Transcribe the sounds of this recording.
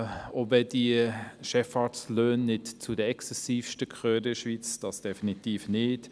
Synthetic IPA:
ovɛdiəʃɛfɑːtsløːnːɪtt͡sudəɛksɛsiːfʃtəkχøːɾɪʃʋit͡sd̥ɑsd̥ɛfinitiːfnɪt

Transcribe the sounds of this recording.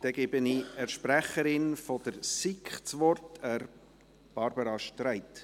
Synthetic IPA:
d̥ɛɡɛbəniəɾʃpræχəɾɪnfɔd̪̥əɾsikχt͡sʋɔrtəɾ | b̥ɑɾbəɾɑʃtræɪt

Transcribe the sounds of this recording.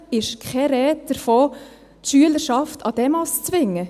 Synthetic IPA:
ɪʃkʰχɛɾɛːt̚d̥əɾfoː | tʃyələɾʃɑftʰɑd̥ɛmɑst͡sʋɪŋːə

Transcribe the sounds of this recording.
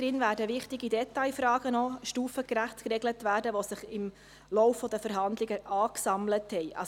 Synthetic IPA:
ɾɪnvæːɾdəʋɪχtɪɡidɛtɑɪfɾɑːɡ̥ənɔʃtuːfəkɾæχtkrɛɡlətvæːɾdəʋosɪχɪm | lɔwfːɔd̥əfəɾɦɑnd̪lɪɡəʔɑːksɑmləthɛjʔɑ̰

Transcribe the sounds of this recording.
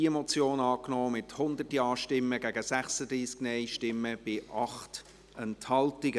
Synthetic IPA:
iɛmɔt͡sjoːnɑːknɔːmɪthʊnd̪ətiɑːʃtɪmːəɡæɡəsæχsəd̪ɾiːsknɛɪʃtɪmːəb̥ɪʔɑχt | ɛnthɑltɪɡə

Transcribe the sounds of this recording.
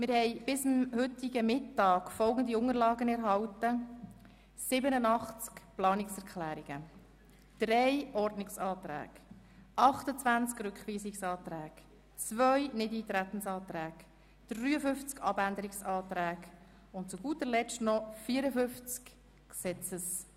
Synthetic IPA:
mɪɾhɛɪb̥ɪsəmhʏt̪ɪɡəmɪtːɑːkfɔlɡən̩d̪iʊŋəɾlɑːɡənɛɾɦɑwtə | sɪbənənɑχt͡skplɑːnɪksɛɾkχlæːɾiɡ̥ə | d̪̥ɾɛjʔɔɾdnɪksɑːt̪ɾæ̰ːɡ̥ | ʔɑχt̪ət͡sʋænt͡skɾʉkχʋiːsɪksɑːt̪ɾæːɡ̥ | t͡sʋœʏnɪd̪it̪ɾæt̪ən̩sɑːt̪ɾæːɡ̥ | d̥ɾyːəfʏft͡skɑbænd̪əɾɪksɑːt̪ɾæːɡ | ʊntt͡suɡuːt̪əɾlɛt͡ʃtnɔfiːəɾəfʏft͡sk | ksɛt͡səs

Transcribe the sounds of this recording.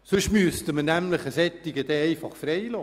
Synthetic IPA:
sɵʃmyəst̪əmənæmləχəsɛt̪ːɪɡəd̥̪ɛɛɪfɑχfɾɛjloː

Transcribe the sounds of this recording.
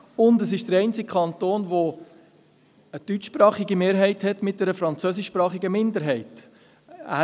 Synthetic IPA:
ʊndəs̬ɪʃd̥əɾɛɪnt͡sɪk̚kʰɑnt̪oːnʋo | əd̥yt͡ʃːpɾɑːχiɡimeːɾɦɛɪthɛtmɪt̚d̥ɛɾəfɾɑnt͡søs̬ɪʃpɾɑːχɪɡəmɪndəɾɦɛɪt | æ̰ː

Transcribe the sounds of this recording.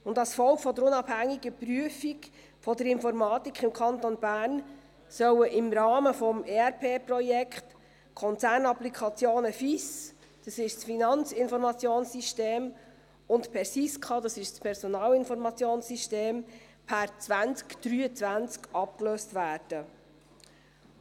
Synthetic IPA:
ʊndɑsfɔlkfɔd̪əɾʊnɑb̥hæŋːiɡəpryəfik | fɔdəɾɪnfɔɾmɑːt̪ikʰχɪmkʰɑnt̪onbæːɾn | sœwəʔɪmɾɑːməfɔmeæɾpʰeːprɔjɛkχt | kʰɔnt͡sæːɾnɑplikʰɑt͡sjoːnəfis | d̥ɑsɪʃsfinɑnt͡sɪnfɔɾmɑt͡sjoːnsiʃteːm | ʊntpʰɛɾsiskʰɑːd̪ɑsɪʃspʰɛɾsɔnɑːlɪnfɔɾmɑt͡sjoːnsiʃteːm | pʰæɾt͡sʋænt͡skd̥ɾyːət͡sʋænt͡skɑp̚kløːstʋæːɾd̥ə

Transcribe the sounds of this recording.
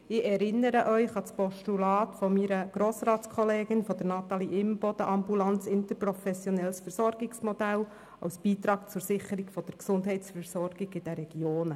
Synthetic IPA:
ɪʔɛɾɪnːəɾəʔœʏχɑt͡spɔʃtulɑːtfɔmiɾəɡ̥ɾoːsɾɑːtt͡skʰɔleːɡɪnfɔd̥̪əɾnɑt̪ɑliʔɪmb̥ɔd̥̪əʔɑmbulɑnt͡sɪnt̪əɾprɔfɛsjɔnɛlsfəɾsɔɾɡɪksmɔd̥̪æl | ɑ̰wsb̥iːt̪ɾɑːk̚t͡sʊɾsɪχəɾiɡfɔd̥əɾksʊnd̪ɦɛɪtsfəɾsɔɾɡ̥ɪɡɪd̥ɛɾɛɡ̥joːnə

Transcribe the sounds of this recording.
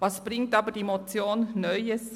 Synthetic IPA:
vɑsb̥ʁɪŋtɑːbəd̥imot͡sjoːnːœʏəs

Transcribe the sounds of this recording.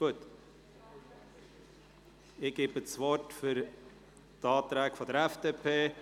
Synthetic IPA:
ɡ̥uət | ɪɡ̥eːbət͡sʋɔrtfyɾ | tɑːt̪ɾɛːkfɔdəɾɛfd̥eːpʰeː

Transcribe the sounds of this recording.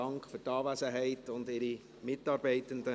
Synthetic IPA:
ɑŋkχfʏɾtɑːvæsəɦɛɪtʊndɪɾi | mɪtɑːɾbɛɪtəndə

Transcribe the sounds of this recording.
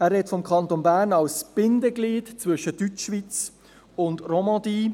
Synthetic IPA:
æːɾɦɛtfɔmkʰɑnt̪onbæːɾnɑwsb̥ɪndəɡliːtt͡svʏʃətːyt͡ʃʃʋit͡s | ʊndromɑ̃d̪iː

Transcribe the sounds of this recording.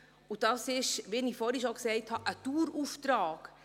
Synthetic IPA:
ʊdɑsɪʃʋeːnifɔɾiʃoksɛɪthɑʔətuːɾuftɾɑːk

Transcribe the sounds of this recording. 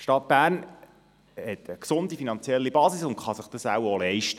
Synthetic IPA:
ʃtɑt̚b̥æːrn | hɛtʰəksʊndifinɑnt͡sjɛlːibɑːsɪsʊnχɑsəχd̥əsæwɔlɛɪʃtə

